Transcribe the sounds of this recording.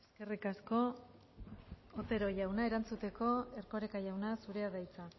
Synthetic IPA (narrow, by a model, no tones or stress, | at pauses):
eske̞rikasko̞ | ot̪e̞ɾo̞ʝawnae̞ɾant͡sut̪e̞ko̞e̞rko̞ɾekaʝawnasuɾe̞aðajt͡sa